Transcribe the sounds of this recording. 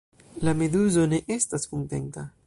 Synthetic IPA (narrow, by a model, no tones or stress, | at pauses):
lame̞duzo̞ne̞ʔestaskuŋte̞̰nta